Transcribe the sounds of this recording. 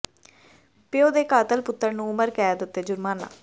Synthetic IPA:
pɪjoːd̪eːkaːt̪əlpʊt̪ːəɾnũːʊməɾkɛːd̪ɪt̪ːeːd͡ʒʊɾmaːna̰ː

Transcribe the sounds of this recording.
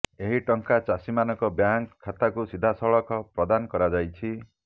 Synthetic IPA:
eɦiʈɔŋkat͡ʃasimanɔkɔbjaŋkʰːat̪akusid̪ʱasɔɭɔkɔpɾɔd̪anɔkɔɾad͡ʒajt͡ʃʰi

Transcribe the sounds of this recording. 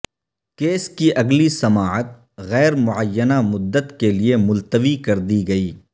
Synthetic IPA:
keːskiʔɐɡlisɐmaːət̪̚ | ɣɛːɾmʊʕəjːənamʊd̪ːət̪keliemʊlt̪əʋikɐɾd̪iɡɐiː

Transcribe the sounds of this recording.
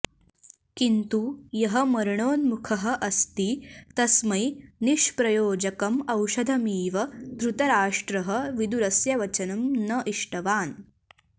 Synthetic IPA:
kint̪ujɐɦɐmɐɾɳoːnmukʰɐɦɐ̆ʔɐst̪iːt̪ɐsmɐjniʂpɾɐjoːd͡ʒɐkɐmɐwʃɐd̪ʱɐmiːʋɐt̪ɾut̪ɐɾaːʂʈɾɐɦɐ̆ʋid̪uɾɐsjɐʋɐt͡ʃɐnɐmnɐʔiʂʈɐʋaːn

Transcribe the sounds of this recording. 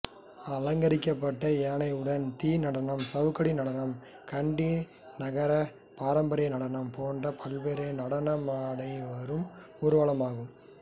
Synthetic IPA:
ɐlɐŋɡɐɾɪkːɐpːɐʈːɐeːnɐɪɯɽɐnt̪iːnɐɽɐnɐmsɐʋɯkɐɽinɐɽɐnɐm | kɐɳɖi | nɐɣɐɾɐ | paːɾɐmbɐɾɐjnɐɽɐnɐmpoːndrɐpʰɐlʋeːɾɐnɐɽɐnɐmaːɽɐɪʋɐɾɯm | ɔɾɯʋaːɭɐmaːɣɯm

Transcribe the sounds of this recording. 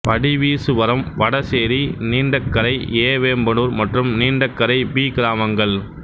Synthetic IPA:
pɐɽiʋiːsɯʋɐɾɐmʋɐɽɐseːɾiniːɳɖɐkːɐɾɐɪeːʋeːmbɐnuɾmɐʈrɯmniːɳɖɐkːɐɾɐɪbiːɡɪɾaːmɐŋɡɐɭ

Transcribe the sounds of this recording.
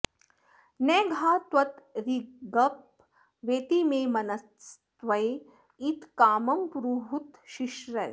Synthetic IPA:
neːɡʱaːt̪ʋɐt̪ɾiɡɐp̚ | ʋeːt̪imeːmɐnɐ | st̪ʋɐj | it̪kaːmɐmpɾuːɦut̪ʃiʃɾɐj

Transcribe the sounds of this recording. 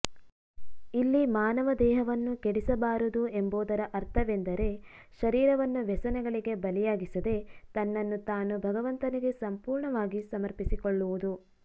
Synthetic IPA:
ilːimaːnɐʋɐd̪ɛːɦɐʋɐnːukeɽisɐbaːɾud̪ue̞mboːd̪ɐɾɐʔɐɾt̪ʰɐʋend̪ɐɾe̞ | ʃɐɾiːɾɐʋɐnːuʋɛsɐnɛɡɐɭiɡe̞bɐlɛjaːɡisɐd̪e̞t̪ɐnːɐnːut̪aːnubʱɐɡɐʋɐnt̪ɐniɡe̞sɐmpuːɾɳɐʋaːɡisɐmɐɾpisikoɭːuʋud̪u

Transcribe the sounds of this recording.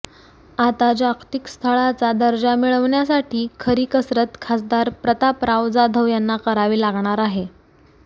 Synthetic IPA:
at̪at͡ɕakʰt̪ikst̪ʰəɭat͡sad̪əɾd͡ʑamiɭəʋɳjasaʈʰiːkʰəɾiːkəsɾət̪kʰasd̪aɾpɾət̪apɾawd͡zad̪ʱəʋjanːakəɾaʋiːlaɡɳaɾaɦe

